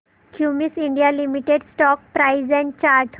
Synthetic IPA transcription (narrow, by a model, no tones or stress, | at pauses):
kʰjumisiɳɖijalimiʈeɖsʈɔk̚pɾaizɛ̃ɳ̚t͡ɕaɾʈʰ